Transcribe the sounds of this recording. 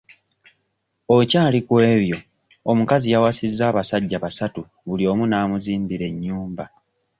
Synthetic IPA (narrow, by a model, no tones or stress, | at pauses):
o̞caːlikwe̞ːβjo̞ | omukazijawasizːaːβasaɟːaβasatu | βulio̞ːmunaːmuziːmbiɾe̞ɲːuːmba